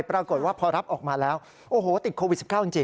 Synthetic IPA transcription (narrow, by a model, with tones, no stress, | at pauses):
jpɾaː˧ko˨˩t̪̚waː˥˩pʰɔː˧ɾa˦˥p̚ʔɔː˨˩k̚maː˧lɛː˦˥w | ʔoː˧˩ɦoː˨˩˦t̪i˨˩kʰoː˧w̚si˨˩kaː˥˩ʔə˧nt͡ɕeː˧